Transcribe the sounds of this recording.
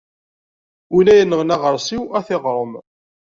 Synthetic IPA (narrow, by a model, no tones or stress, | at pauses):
ulæjənːəʁnæʁəɾˤsˤiwæθɪʁɾˤəm